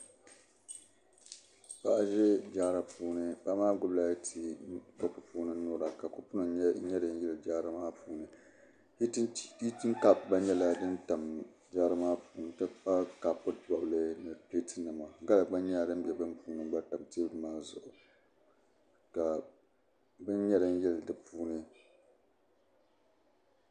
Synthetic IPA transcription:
pa˦ʔʒɛ˦d͡ʒaː˦ɾa˨puː˦nɨ˦ba˦maː˦ɡʊ˦bla˦tʰi˨ka˦pɨ˨puː˦nɨ˦nʊː˦ɾa˨ka˨kʊ˦pʊ˦nɨ˨ɲɛ˦ɲɛ˦dɨ˨n˦jɛ˦lɨ˨d͡ʒaː˦ɾa˦maː˦puː˨nɨ˨˦ | i˦tɨ˦ŋ˦ka˦˨b̚ba˦ɲɛ˦la˦dɨ˦nta˨m | d͡ʒaː˦ɾɨ˦maː˦puː˨n˨tɨ˦pa˦ka˨pʊ˦˨bɔ˨blɨ˦nɨ˨pe˦tʰɨ˦nɨ˨ma˨ɡa˦la˨ɡ͡ba˦ɲɛ˦˨dɨ˦m˦bɛ˨bɨ˦npuː˦nɨ˦ba˦ta˨mti˦bmaː˦zʊ̰˨ʔʊ˨ | ka˨ | bɨ˦n˦ɲɛ˦dɨ˦n˦jɛ˦ldɨ˨puː˦nɨ˦

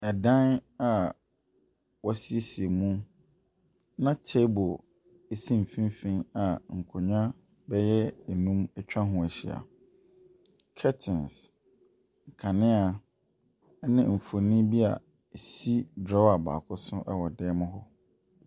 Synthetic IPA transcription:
ɛ˨dã˦na˨ | wɔ˦si˦e˦si˨e˨mũ˦ | nã˦tʰe˦bo˨ | e˦sĩ˦m̩˨fĩ˦mfĩ˦na˨ŋ̩˨kʰʊ˨ɲᶣã˦ | bɛ˦jɛ˦e˨nũ˦mɛ˦t͡ɕᶣã˦ɦʊ̃˨æ˨ɕḭ˨a̰˨ | kʰɛ˦tʰɪ̃˨ns | ŋ̩˨kʰã˨nɪ̃˦a˨˦ | nɪ̃˦m̩˨fo˨nĩ˦bi˦a̰˨ | e˨si˦dɾɔ˦a˨ba̰ː˨kʰʊ˦sʊ̃˦ʔɛ̰˦wɔ˨dɛː˦mʊ̃˦ɦɔ˦

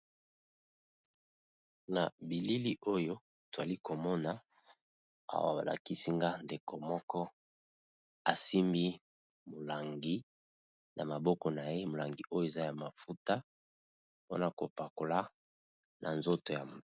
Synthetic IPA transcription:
na˨bi˨li˦li˦ʔo˦jo˦ | to˨za˨li˦ko˨mɔ˦na˨ | a̰˦wa̰˨ba̰˨la̰˨ki˦si˦ŋɡa˦nde˨ko˨mɔ˦kɔ˦ | a˨si˦mbi˦ | mo˨la˨ŋɡi˦ | na˨ma˨bɔ˦kɔ˨na˨je˦mo˨la˨ŋɡi˨ʔo˦jo˦e˨za˦ja˨ma˨fu˦ta˦ | po̰˦na˨ko˨pa˨ko˨la˦ | nʔa̰˨nzo˦to˨ja˨

